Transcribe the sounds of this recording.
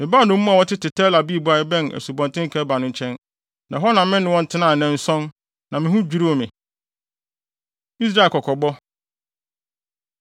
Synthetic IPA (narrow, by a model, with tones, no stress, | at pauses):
mɪ̃˨baː˦˨nʊ̃˦m̩ː˦ũ˦a˨wɔ˦tʰɪ˦tʰɪ˨tʰɛ˦la˨bi˦˨ba˨ɪ˦bɛ̃˦næ̰˨su˨bɔ̃˨ntʰɪ̃˦ŋ˦kʰɛ˦ba˨nʊ̃˦ɲ˦t͡ɕʰɛ̃˦n | nã˨ɦɔ˦nã˨m˦mɪ̃˦nɪ̃˨wɔ̃˦n̩˨˦tʰɪ˦nãː˨nɛ̃˨n̩˨˦sɔ̃˦n | nã˨mɪ̃˨ɦʊ̃˦d͡ʑᶣu˦ɾi˦o˨mɪ̃˨ | i˦s̬ɾa˦˨kʰɔ˨kʰɔ˨bɔ˦